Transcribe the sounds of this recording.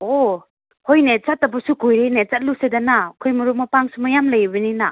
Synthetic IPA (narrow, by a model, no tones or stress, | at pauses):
o | hojnet͡ʃat̚ːabɐsukujɾejnet͡ʃat̚lusedanakʰojmɐɾumapaŋsumajamlajibɐnina̰